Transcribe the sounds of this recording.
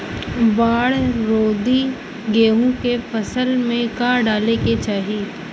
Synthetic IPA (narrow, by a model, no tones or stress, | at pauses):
baːɽɾoːd̪i | ɡeːũkefʰɐsəlmẽkaːɖaːleket͡ʃaːɦiː